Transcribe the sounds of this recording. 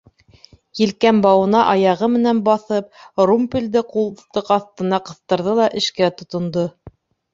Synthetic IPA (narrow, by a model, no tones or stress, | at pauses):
jilkæmbɑwɤ̆nɑʔɑjɑʁɤmɘ̆nænbɑθɤp̚rumpʲild̪ɘqulˠt̪ɤqɑθt̪ɤ̆nɑqɤ̆θt̪ɤ̆ɾðɤlˠɑʔɘ̆ʃkæt̪ŏt̪ŏnd̪o